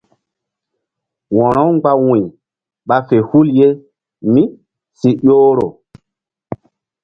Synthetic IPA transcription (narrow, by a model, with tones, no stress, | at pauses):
wɔ̃˨ɾɔ˦wŋɡ͡ba˦wũ˨ | ɓa˦fe˨hu˦lje˦ | mi˦ | si˦ɗoː˦ɾo̰˨